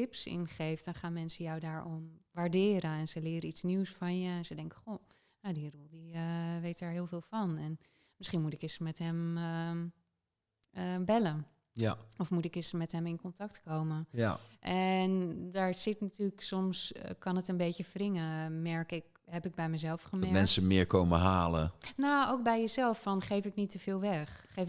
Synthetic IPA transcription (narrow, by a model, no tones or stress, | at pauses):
tɪpsɪ̰nχejftdɔnχaːnmɛnsəjɔwdaːɹʔɔnʋaɹdɪːɾəɛnsəlɪːɾəitsniwsfɑnjəɛnsədɛŋkə̥χo | nowdirulˠdiəʋejtdaːɹɦɪːlˠvɪːlˠfɑnɛn | mɪsχinmutɪkɪsmɛtɦɛm | əbɛlə | ɔfmutɪkɪsmɛtɦɛmɪnkɔntɑktkowməʔɛndaɹz̥ɪtnatyːləksɔmskʰɑnətənbeːtəfrɪŋəmɛɹkɪk̚ | ɦɛpɪk̚bɛjmɛjzɛlˠfχəmɛɛnsəmɪːɹkowməɦaːlə̰nowowk̚bɛjjəzɛlˠfːɔnχejfɪknitəv̥ɪːlˠʋɛxxej